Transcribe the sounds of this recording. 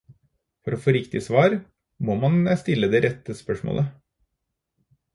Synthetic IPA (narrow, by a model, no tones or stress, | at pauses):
fɔɾɔfoːɾɪkt̪ɪsʋɑːɾ | moːmɑnst̪ɪlːəd̪eːɾʔɛt̪ːəspœʂmo̰ːlʔə